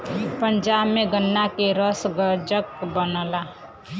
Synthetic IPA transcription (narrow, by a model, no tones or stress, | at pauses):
pənd͡ʒabmeɡənːakeɾəsɡəd͡ʒəkbənəla